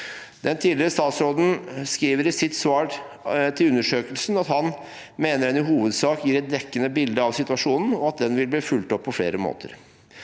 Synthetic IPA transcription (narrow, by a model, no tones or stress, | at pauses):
d̪ɛnt̪ʰiːlɪɾəst̪ɑːt̪sɾoːd̪n̩skɾiːʋəɾɪsɪt̪sʋɑːɾ | t̪ʰɪlʉnːəʂøːkəlsn̩ɑt̪hɑn | meːnəɾɛnɪɦuːʋəd̪sɑːkjiːɾɛt̪̚d̪ɛkːənəbɪld̪əɑʋsɪt̪ʉɑʂuːnn̩ɔɑt̪̚d̪ɛnʋɪlbliːfʉlt̪ɔpʰːɔfɽḛːɾəmo̰ːt̪ʰə̰ɾ